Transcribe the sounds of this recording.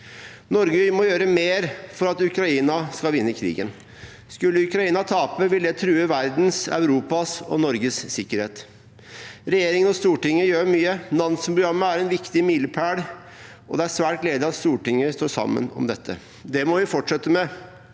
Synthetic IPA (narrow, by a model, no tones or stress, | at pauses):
nɔɾɡəmɔjøːɾəmeːɾfɔɾɑt̪ʉkɾɑiːnɑskɑlʋɪnːəkʰɾḭːɡən | skʉlːəʉkɾɑiːnɑt̪ʰɑːpəʋɪldæt̪ʰɾʉːəʋæɾd̪n̩sœ̰ʉɾuːpɑsɔ̰nɔɾɡəssɪkːəɾheːt̪ | ɾɛjeːɾɪŋənɔst̪uːʈɪŋːəjøːɾmyːənɑnnsmpɾʊɡɾɑmːəæɾɛnʋɪkt̪ɪmiːləpʰæːɽ | ʔɔ̰d̪ɛæsʋæːʈleːd̪ɪɑt̪st̪uːʈɪŋːəst̪oːʂɑ̰mːə̰nɔ̰md̪ɛt̪ʰːə̰ | d̪ɛmɔʋɪfɔʈʂɛt̪ːəmɛ